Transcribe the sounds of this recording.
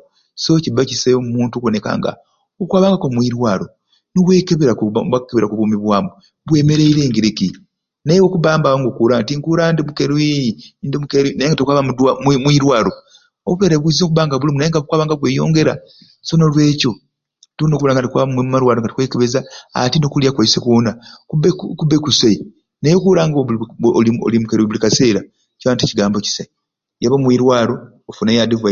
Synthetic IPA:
socibacisemumuːntukoneka̰ːŋɡa̰ | okwaːβaːŋɡakomwiːɾwaːɾo̞ | noβweːkeβeɾakwakeβeɾakuβuːmiβwaːmu | βwe̞ːme̞ɾe̞iɾe̞ːŋɡiɾiki | naewokuβaːmbawaŋɡokuːɾantiŋkuːɾandimukeɾwindimukeɾwinajeŋɡatokwaβamudwammwiːɾwaːɾo̞ | oβuβeːɾeβwizokuβaːŋɡaβulimunajeŋɡakwaːβaːŋɡaβweːjo̞̰ːŋɡe̞ɾa̰ | sonolwe̞ːco̞ | tunokulaŋɡantikwaːβammaɾwaːɾoŋɡati̥kwekeβezaa̰tinokuljakwajsekoːnakubekubekusei | nejokuːɾaːŋɡoolio̰limukeɾwiβulikase̞ːɾa | ciβaːnticiɡaːmbo̞ci̥sa | jaβamwiːɾwaːɾo̞ː | funajadiva

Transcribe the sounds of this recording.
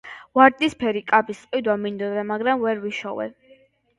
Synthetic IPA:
vaɾd̪ispʰɛɾikʼabisʼqʼwid̪wamind̪ɔd̪amaɡɾamvɛɾviʃɔ̰vɛ̰

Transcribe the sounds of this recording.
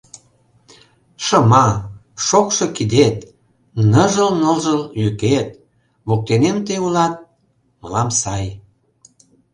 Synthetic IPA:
ʃəmɑ | ʃokʃɤ̽kid̪et̪ | nəʒəlnolʒəljyket̪̚ | βok̚t̪enemt̪ejulɑt̪̚ | məlɑmsɑj

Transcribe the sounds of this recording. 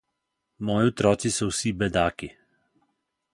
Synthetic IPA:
mɔːjiɔt̪ɾɔːt̪sisɔwsibɛd̪aːki

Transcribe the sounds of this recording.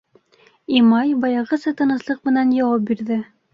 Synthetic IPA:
imɑjbɑjɑʁɤ̆sɤt̪ɤ̆nɤ̆slˠɤq̚mɘ̆nænjɑwɑp̚biɾðɘ

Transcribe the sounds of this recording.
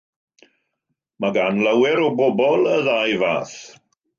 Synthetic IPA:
maɡanlawɛɾɔbɔbɔlˠəðajva̰ːθ

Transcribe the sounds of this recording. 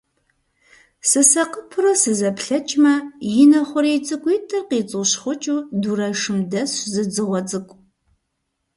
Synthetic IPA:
sɨsɐqəpʰʊrɐsɨzɐpɬɐt͡ʃʼmɐjɪnɐχʷʊɾiːt͡sʼɨkʷʼitʰʼɐrqiːt͡sʼɨɕχʷʊt͡ʃʼuːduɾɐʂɨmdɐszɨd͡zɨʁʷɔt͡sʼɨkʷʼ

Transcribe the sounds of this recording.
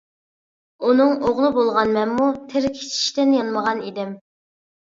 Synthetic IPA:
unɨŋoʁlˠɨbolˠʁɑnmɛnmut̪ʰɪɾkʲʰe̥t͡ʃʰi̥ʃt̪ɪnjɑnməʁɑnid̪ɪm

